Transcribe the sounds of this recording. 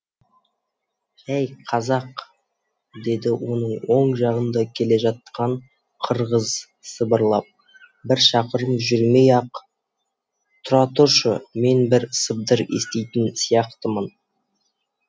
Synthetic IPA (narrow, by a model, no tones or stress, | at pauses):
æjqʰɑzɑq | d̪e̞d̪ɪwo̞nəɴwo̞ɴʒɑʁənd̪ɑkʲʰe̞le̞ʒɑt̪̚qʰɑɴ | qʰəɾʁəz | səbəɾlˠɑp̚ | bɪɾʃɑqəɾəmʒʏɾme̞jɑq | t̪ʰʊɾɑt̪uʃəme̞nbɪɾsəb̚d̪əɾe̞̰st̪e̞jt̪ɪnsijɑqt̪əmən